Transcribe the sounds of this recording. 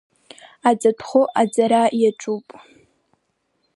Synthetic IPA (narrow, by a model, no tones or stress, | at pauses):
ad͡zatʰχʷʊʔad͡zaɾajaʈ͡ʂʼupʼ